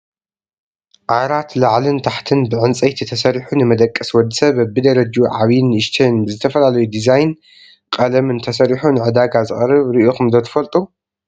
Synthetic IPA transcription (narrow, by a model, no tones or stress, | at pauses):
ʕaɾat̪laʕlɨnt̪ʰaħt̪ʰɨnbɨʕɨnt͡sʼɐjt̪ʰit̪ʰɐsɐɾiħunɨmɐd̪ɐkʼːɨswɔd̪ːɨsɐβabːɨd̪ɐɾɐd͡ʒuʕaβijnɨʃt̪ʰinbɨzɨt̪ʰɐfɐlalɐjud̪izajn | kʼɐlɐmɨnt̪ʰɐsɐɾiħunɨʕɨd̪aɡazɨχʼɐrɨβɾɨʔoxɨmd̪ɐt̪ʰɐ̥fɐlt̪ʼu